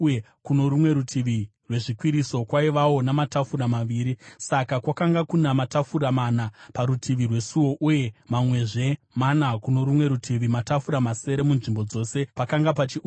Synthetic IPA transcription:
kuno̞ɾumwe̞ɾutʰiʋirwe̞ʐikwiɾiso̞kwaiʋawo̞namatafuɾamaʋiːɾisakakwakaŋɡakunamatafuɾamanapaɾutʰiʋirwe̞suwo̞ʔuje̞mamwe̞ʐe̞ | manakuno̞ɾumwe̞ɾutʰiʋimatafuɾamase̞ɾe̞munʐimbo̞d͡zo̞se̞pakaŋɡapat͡ʃiu

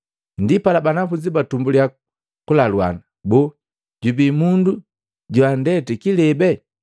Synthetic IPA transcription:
ndipalabanafud͡ʒibatumbulja | kulalwa̰na | bɔ | ɟubimundu | ɟwandɛtɛkilɛbɛ

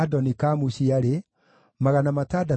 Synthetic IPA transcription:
adɔnikamuɕiaɾe | maɣanamatada

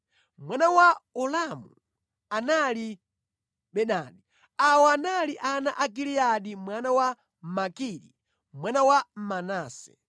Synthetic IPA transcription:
mwanawaɔlamu | anali | ɓɛnaɗi | awɔanaliʔanaʔaɡiliaɗimwanawa | makiɾḭ | mwanawamanaːsɛ̥̰

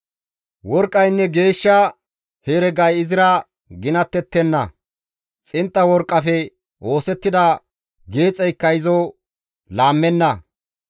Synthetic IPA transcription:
wɔɾkʼːɐjnːɛɡe̞ːʃːɐ | heːɾɛɡɐjɪzɪɾɐ | ɡɪnɐt̪ːɛt̪ːɛnːɐ̰ | t͡sʼɪnt̪ʼːɐwɔɾkʼːɐfɛ | o̞ːsɛt̪ːɪd̪ɐ | ɡe̞ːt͡sʼɛjkːɐjɪzo | laːmːɛnːɐ

